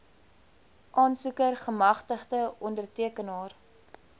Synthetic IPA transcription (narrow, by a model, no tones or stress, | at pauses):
ʔɑːnsukərχəmɐχtəχdəʔɔndərtiəkənɑːr